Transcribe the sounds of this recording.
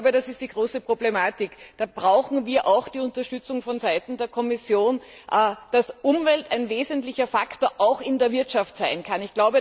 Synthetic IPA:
bəɾasɪst̚d̥iːɡ̥ʁoːsəpʁ̥oblemaːtɪkd̥aːb̥ʁaʊxn̩viːɐʔaʊxd̥iːʊntɐʃtʏt͡sʊŋfɔnzaɪtn̩deːɐkʰɔmɪsjoːnʔd̥asʔʊmvɛltæɪnveːzəntlɪçɐfaktoːɐʔaʊxɪndeːɐvɪɐtʃaftz̥aɪnkʰanɪçɡ̥laʊbə

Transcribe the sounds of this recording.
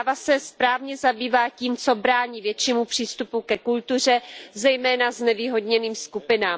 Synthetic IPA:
vasɛspɾaːvɲɛzabiːvaːciːmt͡so̞bɾaːɲiːvjɛtt͡ʃiːmupr̥iːst̪upukɛkult̪ur̝ɛzɛjmɛːnaznɛviːɦo̞dɲɛniːmskupɪnaːm

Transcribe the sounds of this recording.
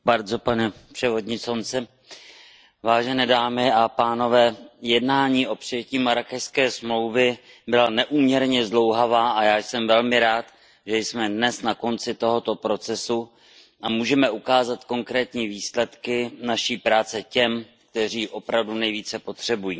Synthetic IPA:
baɾzo̞panɛpr̥ɛvo̞dɲɪsont͡sɛ | vaːʒɛnɛːdaːmɪʔapaːno̞vɛːjɛdnaːɲiːʔo̞pr̥ɪjɛciːmaɾakɛjskɛːsmlowvɛ | bɪlanɛʔuːmɲɛɾɲɛzlo̞wɦavaːʔajaːjsɛmvɛlmɪɾaːt̪ | ʒɛjsmɛdnɛsnako̞nt͡sɪt̪o̞ɦo̞t̪o̞pɾo̞t͡sɛsu | ʔamuːʒɛmɛʔukaːzat̪ko̞ŋkɾɛːt̪ɲiːviːslɛt̪kɪnaʃiːpɾaːt͡sɛcɛm | k̚t̪ɛr̝iːʔo̞pɾavdunɛjviːt͡sɛpo̞t̪r̝̥ɛbujiː

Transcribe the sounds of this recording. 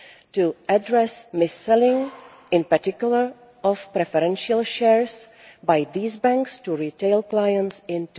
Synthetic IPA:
tuʔadɾɛsmɪsːɛlɪ̃ŋ | ɪ̃npaɾtɪkjuləɹ | ʔɔfpɾɛfɛɾɛ̃nʃialʃɛɹs | bajd̪iːzbɛ̃ŋkstuɹiteɪlklajə̃nsɪ̃nt

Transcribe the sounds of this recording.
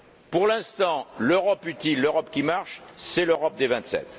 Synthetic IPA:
puʁlɛ̃st̪ɑ̃løʁɔpyt̪ilːøʁɔpkʲimaʁʃsɛløʁɔp̚d̪evɛ̃t̪sɛ̰t̪

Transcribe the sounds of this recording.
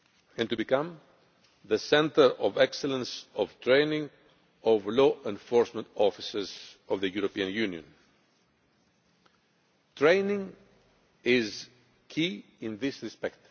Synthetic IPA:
ɛ̃nt̪ubikãm | ðəsɛ̃nt̪əɾovɛkselə̃nsɔv̥t̪ɾẽjnĩŋ | ovloʔẽnfoɹsmẽnt̪ɔfisez̥ɔvðəjuɾopiɐ̃njuniõ̰n | t̪ɹẽɪnĩŋ | iz | kʰi | ĩnðisɾispɛkt̪

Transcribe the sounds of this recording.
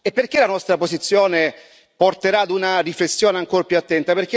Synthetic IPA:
epːerk̟elanɔst̪ɾapozit̪sːjoːne | port̪eɾaːd̪unaɾiflesːjoːneaŋkoɾpjuat̪ːɛnt̪aperk̟e

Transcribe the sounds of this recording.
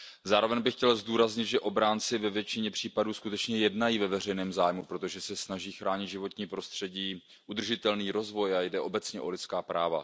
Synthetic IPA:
zaːɾo̞vɛɲbɪxcɛlzduːɾazɲɪt̪ʒɛʔo̞bɾaːnt͡sɪvɛvjɛt͡ʃɪɲɛpr̝̥iːpaduːskut̪ɛt͡ʃɲɛjɛdnajiːvɛvɛr̝ɛjnɛːmzaːjmupɾo̞t̪o̞ʒɛsɛsnaʒiːxɾaːɲɪt̪ʒɪvo̞t̪ɲiːpɾo̞st̪r̝̥ɛɟiː | ʔud̪r̩ʒɪt̪ɛlniːɾo̞zvo̞jajdɛʔo̞bɛt͡sɲɛʔolɪtt͡skaːpɾaːva̰

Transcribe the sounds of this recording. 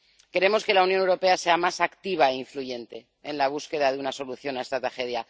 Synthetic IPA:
ke̞ɾe̞mo̞ske̞launjonewɾo̞pease̞amasakt̪iβ̞aeiɱfluʝe̞nt̪e̞ːnlaβ̞uske̞ðaðeunaso̞luθjo̞nae̞st̪at̪ɾaxe̞ð̞ja

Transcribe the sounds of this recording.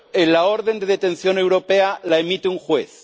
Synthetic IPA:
enlao̞ɾðe̞nd̪e̞ðet̪e̞nθjo̞ne̞wɾo̞pealaemit̪euŋxweθ

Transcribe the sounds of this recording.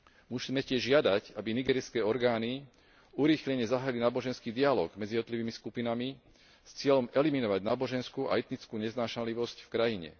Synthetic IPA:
musiːmɛcɪɛʒːɪad̪acabiniɡɛːɾiskɛːɔɾɡaːni | uɾiːxʎɛɲɛzaɦaːilinaːbɔʒɛnskiːd̪ialɔ̰ːɡmɛd͡ziɛd̪ɔt̪liʋiːmiskupinami | st͡sɪɛʎɔmɛliminɔʋaɟnaːbɔʒɛnskuːʔa̰ɛt̪nit͡skuːɲɛznaːʃaliʋɔscfkɾajiɲɛ̰

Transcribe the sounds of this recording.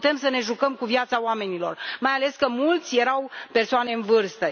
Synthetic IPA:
t̪e̞msəne̞ʒukəmkuvjat̪saoame̞nilo̞rmajale̞skəmult̪sʲje̞ɾawpe̞rsoane̞ɨnvɨrst̪ə

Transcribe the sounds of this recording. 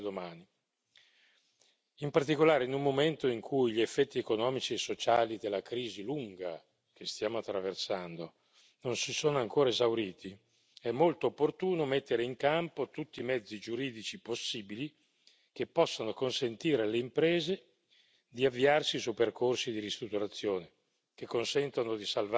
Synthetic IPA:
d̪omaːni | impart̪ikolaːɾeinulmːoment̪oiŋkʰujʎiefːɛt̪ːiekonɔːmit͡ʃiesːot͡ʃaːlid̪elːakɾiːziluŋɡa̰ | k̟est̪jaːmoat̪ːɾaversand̪o | nonsisoːnoaŋkoːɾaezawɾiːt̪i | ɛmːolt̪oːpːort̪uːnomet̪ːeɾeiŋkampot̪ut̪ːimɛd̪zːid͡ʒuɾiːd̪it͡ʃiposːiːbili | k̟epːɔsːanokonsent̪iːɾealeimpɾeːze | d̪iavːiarsisuperkorsid̪iɾist̪ɾut̪ːuɾat̪sːjoːne | k̟ekːonsɛnt̪onod̪isalv

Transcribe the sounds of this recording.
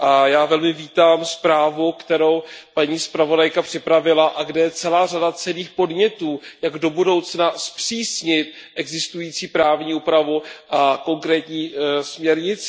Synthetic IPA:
ʔajaːvɛlmɪviːt̪aːmspɾaːvukt̪ɛɾowpaɲiːspɾavo̞dajkapr̥ɪpɾavɪlaʔaɡdɛjɛt͡sɛlaːradat͡sɛliːxpo̞dɲɛt̪uːjaɡdo̞budo̞wt͡snaspr̥iːsɲɪt̪̚ | ʔɛɡzɪst̪ujiːt͡siːpɾaːvɲiːupɾavuʔako̞ŋkɾɛːt̪ɲiːsmɲɛɾɲɪt͡s

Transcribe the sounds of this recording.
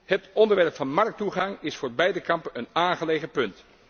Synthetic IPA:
hətɔndəɹʋɛɹpfɑnmɑɹk̚tuχɑŋɪsfoːɹbɛjdəkɑmpənənaːnχəleːχəpɵnt

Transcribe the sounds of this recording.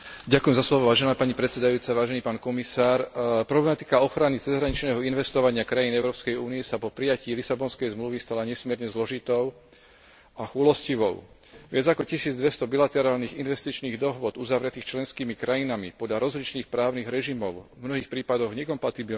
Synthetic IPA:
ɟakujɛmzaslɔʋɔʋaːʒɛnaːpaɲipɾɛt̪sɛd̪ajuːt͡saʋaːʒɛniːpaːnkɔmisaːɾpɾɔblɛmat̪i̥kaɔxɾanit͡sɛzɦɾaɲit͡ʃnɛːɦɔinʋɛst̪ɔʋaɲɪakɾajinɛʊɾɔːpskɛjuːnijɛsapɔpɾijaciːlisabɔnskɛjzmluʋist̪alaɲɛsmɪɛɾɲɛzlɔʒit̪ɔʊ | axulɔsciʋɔ̰ʊ | ʋɪad͡zakɔcisiːd͡zd̪ʋɛst̪ɔbilat̪ɛɾaːlniːɣinʋɛst̪it͡ʃniːɣd̪ɔɦʊʋʊɔd̪uzaʋɾɛt̪iːxt͡ʃlɛnskiːmikɾajinamḭpɔd̪lʎaɾɔzlit͡ʃniːxpɾaːʊniɣɾɛʒimɔʊmnɔɦiːxpɾiːpad̪ɔɣɲɛkɔmpat̪ibi

